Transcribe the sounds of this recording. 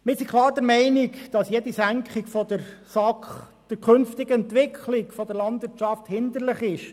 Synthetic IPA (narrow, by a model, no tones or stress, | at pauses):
mɪsikχlˠɑːɾdəɾmɛɪnɪkd̥ɑsjɛd̥isæŋkχɪkfɔd̪əɾsɑkχ | d̥əɾkʰɵnftɪɡəɛnt̪ʋɪkχʰlɪkfɔd̪əɾlɑnd̪ʋɪɾtt͡ʃɑft̪hɪnd̪əɾlɪχɪʃ